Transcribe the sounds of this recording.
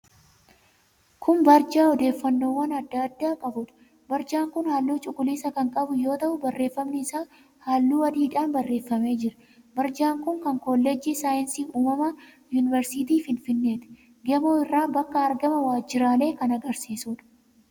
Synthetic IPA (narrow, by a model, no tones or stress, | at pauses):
kʰʊmbɐɾd͡ʒaːɔd̪e̞ːfːɐnːo̞ːwːɐnɐd̪ːad̪ːaːkʼɐbʊᶑɐ̥ | bɐɾd͡ʒaːŋkʊnhaːlːuːt͡ʃʼʊkʼːʊliːsɐkɐŋkʼɐbʊjo̞ːt̪ɐʔʊbɐrːe̞ːfːɐmnɪɪsaː | haːlːuːwɐd̪iːᶑaːnbɐrːe̞ːfːɐme̞ːd͡ʒɪɾɐ̥ | bɐɾd͡ʒaːŋkʊŋkɐŋkoːlːɛd͡ʒiːsaːjɪnsiːuːmɐmɐ | juːnɪvɛɾsiːt̪iːfɪnfɪnːe̞ːt̪ɛ̥ | ɡeːmoːɪrːaːbɐkːɐːɾɡɐmɐwaːd͡ʒːɪɾaːle̞ːkɐnɐɡɐɾsiːsuːᶑɐ̥